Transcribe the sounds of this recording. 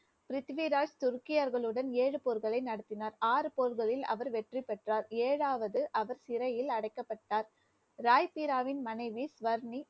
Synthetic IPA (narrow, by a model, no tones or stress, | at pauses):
pɾɪt̪ʋiɾaːd͡ʒt̪ʊɾkːɪjɐɾɣɐɭɯɽɐneːɻɯpoːɾɣɐɭɐɪnɐɽɯt̪ːɪnaːɾaːɾɯpoːɾɣɐɭɪlɐ̰ʋɐɾʋɛʈripɛʈraːɾeːɻaːʋɐðɯʔɐʋɐɾsɪɾɐjɪlɐɽɐɪkːɐpːɐʈːaːɾ | ɾaːjpiːɾaːʋɪnmɐnɐɪʋisʋɐɾni